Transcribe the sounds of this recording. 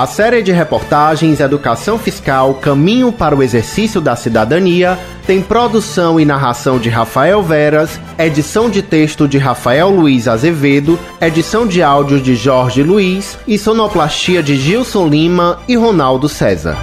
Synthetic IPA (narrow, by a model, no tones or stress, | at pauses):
ɐsɛɾiɪd͡ʒɪɦepoɾt̪aʒẽj̃zed̪ukasɐ̃w̃fiskawkɐ̃mĩɲʊpaɾɐʊezeɾsisiʊd̪ɐsid̪ad̪ɐ̃niɐ | t̪ẽj̃pɾod̪usɐ̃w̃ɪnaɦasɐ̃w̃d͡ʒɪɦafaɛwvɛɾɐs | ed͡ʒisɐ̃w̃d͡ʒɪt̪eʃt̪ʊd͡ʒɪɦafaɛwluizazeved̪ʊ | ed͡ʒisɐ̃w̃d͡ʒɪawd͡ʒiʊd͡ʒɪʒɔɾʒɪluis | ɪsõnɔplaʃt͡ʃiɐd͡ʒɪʒiwsõw̃lĩmɐiɦonawd̪ʊsɛzɐ̰ɾ